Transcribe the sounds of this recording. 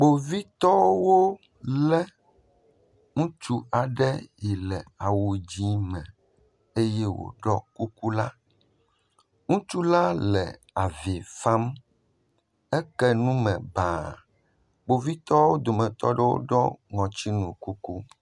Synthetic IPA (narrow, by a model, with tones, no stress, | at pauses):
k͡po˨vi˦t̪ɔ˦wo˦ | lɛ˦ | ŋũ˦t͡ʃu˦a˨ɖɛ˦ji˨lɛ˨a˨wu˨d͡ʑi˦mɛ̃˨ | e˦jɛ˦wo̰˨ɖɔ˦ku˦ku˦la˦ | ŋũ˦t͡ʃu˦la˦lɛ˨ | a˨vi˨fa˦m | ɛ˦kɛ˦nũ˦mɛ̃˨baː˨ | ɡ͡bo˨vi˦t̪ɔ˦wo˦d̪o˨mɛ̃˨t̪ɔ˦ɖɛ˦wo̰˦ɖɔ˦ŋɔ̃˨t͡ɕi˦nũ˨ku˦ku˦